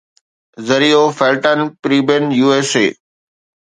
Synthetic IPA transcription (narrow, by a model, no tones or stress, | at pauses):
zəɾiːoːfeːlʈənpɾiːbenjuːeːsḛː